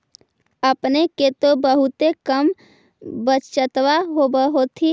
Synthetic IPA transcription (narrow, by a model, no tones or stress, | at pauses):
əpneket̪obəɦʊt̪ekəm | bət͡ʃt͡ʃət̪ʋaɦobəɦot̪ʰi